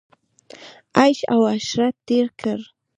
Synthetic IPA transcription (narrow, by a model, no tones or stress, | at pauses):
ajʃa̰waʃɾat̪ɪɾkʰaɾ